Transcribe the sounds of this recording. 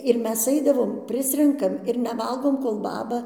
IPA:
ɪr ˈmʲɛs ˈɐɪdɐʋoːmʲɛ ˈpʲrʲɪsʲrʲɛŋkɐm ɪr nʲɛˈʋɐlˠɡoːm koːlˠ ˈbɑːbɐ

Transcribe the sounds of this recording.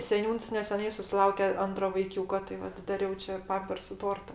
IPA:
sʲɛˈnʲuːns nʲɛsʲɛˈnɐɪ sʊsʲɪˈlˠɐʊkʲɛ ˈɐntroː ʋɐɪˈkʲuːkoː tɐɪ ˈʋɐt dɐˈrʲɛʊ t͡ʃʲɛ ˈpɐmʲpʲɛrsʊ ˈtoːrtɐ

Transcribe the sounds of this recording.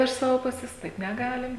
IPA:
ɪʃ ˈsɑːʋoː ˈpʊsʲɛs ˈtɐɪp nʲɛˈɡɑːlʲɪm

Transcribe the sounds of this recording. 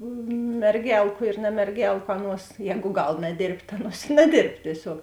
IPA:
mʲɛrʲˈɡʲɛlˠkʊ ɪr nɐmʲɛrʲˈɡʲɛlˠkʊ ˈɑːˌnuɔs ˈjɛːɡʊ ˈɡɐlˠ nɐˈdʲeːrʲpʲtʲ tɐ ˈɑːˌnuɔs ɪ nɐˈdʲeːrp tʲiɛˈsʲoːk

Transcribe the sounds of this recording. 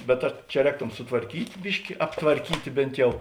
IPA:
bʲɛt ˈɐ t͡ʃʲɛ ˈrʲɛːktoːm sʊtʋɐrʲˈkʲiːtʲ ˈbʲɪʃʲkʲɪ ɐptʋɐrʲˈkʲiːtʲeː ˈbʲeːnt jɛʊ

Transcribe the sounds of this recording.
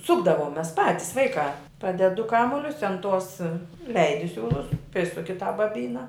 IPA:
ˈsʊɡdɐʋoːm ˈmʲɛs ˈpɑːtʲɪs ˈʋɐɪkɑː ˈpɑːdʲɛt dʊ ˈkɑːmʊlʲʊs ɐn toːs ɪ ˈlʲɛɪdʲɪ ˈsʲuːlˠʊs ˈpʲrʲɪsʊkʲɪ tɑː bɐˈbʲiːnɐ

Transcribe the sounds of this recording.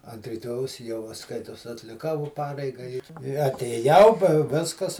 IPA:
ɐnt rʲɪˈtoːjɛʊs jɛʊ ʋɐ ˈskɐɪtoːs ɐtʲlʲɪˈkɐʊ ʋɐ ˈpɑːrʲɛɪɡɐ ɪ ɪ ɐtʲeːˈjɛʊ pɐ ˈʋʲɪskɐs

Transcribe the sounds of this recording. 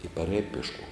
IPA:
ɪ pɐˈrʲɛːj pʲiɛʃˈkuɔm

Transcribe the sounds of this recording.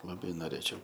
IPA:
lˠɐˈbɐɪ noːˈrʲeːt͡ʃʲɛʊ

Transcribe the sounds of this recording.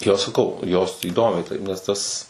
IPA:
ˈjoː sɐˈkɐʊ joːs iːˈdoːmʲɛɪ ˈtɐɪp nʲɛs ˈtɐs

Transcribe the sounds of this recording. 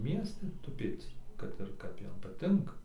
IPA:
ˈmʲiɛsʲtʲɪ tʊˈpʲeːt͡s kɐt ɪr ˈkɐp ˈjɛm pɐˈtʲɪŋkɐ

